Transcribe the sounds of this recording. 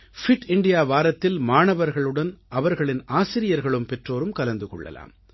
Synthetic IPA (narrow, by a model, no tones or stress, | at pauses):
fɪʈɪɳɖɪjaːʋaːɾɐt̪ːɪlmaːɳɐʋɐɾɣɐɭɯɽɐnʔɐʋɐɾɣɐɭɪnʔaːsɪɾɪjɐɾɣɐɭɯmpɛʈroːɾɯmkɐlɐnd̪ɯkɔ̰ɭːɐ̰la̰ːm